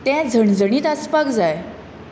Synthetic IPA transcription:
t̪jãd͡zʱəɳd͡zəɳ̃iːt̪aspakd͡zaj

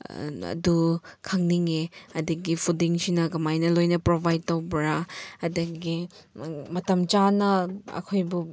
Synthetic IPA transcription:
ɐ̰dukʰɐŋniŋeɐdɐɡipʰudiŋsinɐɡɐmajnɐlojnɐpɾobʱajd̚tɐwbɐɾaɐdɐɡi | mɐtɐmt͡ʃanɐɐ̰kʰojbu

